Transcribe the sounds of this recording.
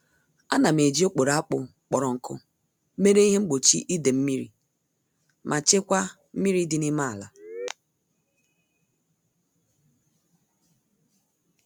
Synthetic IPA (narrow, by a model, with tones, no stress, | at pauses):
a˦na˨m̩˨e˨d͡ʒi˦o˦k͡po˨ɾa˦k͡pʊ˨ | k͡pɔ˨ɾɔ˨ŋ̩˨kʊ̰˦ | me˦ɾe˦i˦ɦe˦ŋ͡m̩˦ɡ͡bo˨t͡ʃi˦ʔi˦de˨m̩˦mi˦ɾḭ˨ | mʔa˨t͡ʃɪ˦kʷa˦ | m̩˦mi˦ɾi˦dɪ˦ni˦ma˦a˨la˨